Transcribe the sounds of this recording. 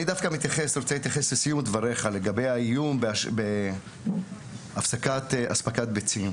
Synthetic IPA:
nid̪afkamit̪jaχesɾot͡selit̪jaχeslesijumd̪vaɾeχale̞ɡabe̞jaijumbeaʃbe | afsakat̪ʔa̰spakat̪̚bet͡sim

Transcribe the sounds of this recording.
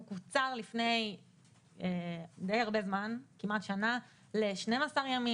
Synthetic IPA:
kut͡saʁlifne̞j | edejaʁbe̞zmankimat̪ʃana | leʃnemasaʁjami

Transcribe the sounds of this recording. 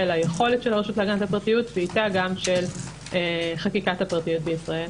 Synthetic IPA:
elajeχo̞letʃelaʁeʃutlaɡanatapʁatijutveitaɡamʃel | eχakikathapʁatijut̚beisʁae̞l

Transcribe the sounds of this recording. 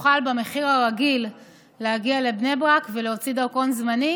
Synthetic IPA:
χalbame̞χiʁaʁaɡilː | ehaɡiale̞bnebʁakveleot͡sid̪aʁko̞nzmani

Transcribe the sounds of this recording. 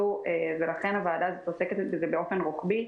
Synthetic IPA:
uʔevelaχe̞nhavaːdazet̪oseket̪etbezebeo̞fe̞nʁukbi

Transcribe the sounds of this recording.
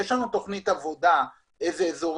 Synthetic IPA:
eʃlanut̪o̞χnit̪avo̞d̪a | ezeːzo̞ʁ

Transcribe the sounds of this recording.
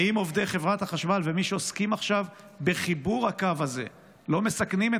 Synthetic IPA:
imo̞vd̪eχevʁat̪haχaʃmalve̞miʃeoskimaχʃav | be̞χibuʁakavaze̞̰ | lo̞mesaknime

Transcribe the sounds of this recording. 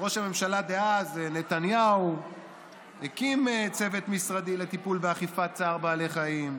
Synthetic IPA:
ʁo̞ʃhame̞mʃalad̪eaznet̪anjau | ekimet͡se̞ve̞t̪misʁad̪ilet̪ipulbeaχifat͡saːʁbaːleχaim

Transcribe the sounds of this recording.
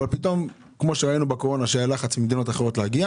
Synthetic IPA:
valpit̪o̞m | kmo̞ʃeʁainubeko̞ʁo̞naʃealaχat͡smimd̪ino̞taχeʁo̞tlehaɡia

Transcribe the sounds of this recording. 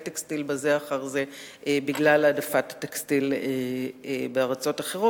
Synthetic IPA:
tekstilbazeaχaʁze | ebiɡlaladafatḁtekstile | beaʁat͡so̞taχeʁo

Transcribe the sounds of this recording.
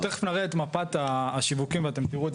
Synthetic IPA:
t̪eχe̥fnaʁeet̪mapat̪aːʃivukimveat̪emt̪iʁue

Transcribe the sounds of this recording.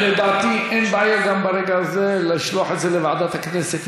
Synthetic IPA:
led̪aʕt̪iʔenbajaɾɡambaɾeɡazelɪʃluaħet̪zelevaʕd̪at̪hakneset̪

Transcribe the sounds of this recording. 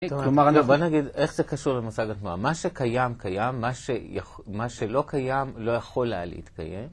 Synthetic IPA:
lomaʁanobonaɡid̪e̞χzekaʃuʁlemasaɡatnua̰maʃe̞kajamkajamːaʃeja | maʃe̞lo̞kʰajamlo̞jaχo̞la̰lḛḭt̪ka̰je̞̰m

